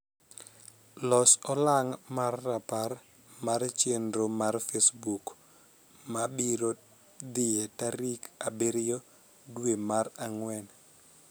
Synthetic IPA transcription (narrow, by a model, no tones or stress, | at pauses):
lɔsɔlaŋmarːapar | mart͡ʃendomarfesbuk | mabiɾo | d̪ɪjɛtaɾikabeɾɪjo | dwemaɾaŋwɛn